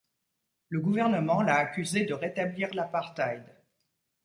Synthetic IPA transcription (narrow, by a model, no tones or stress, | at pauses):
ləɡuvɛʁnəmɑ̃laːkʲyzed̪əʁet̪abliʁlapaʁt̪ajd̪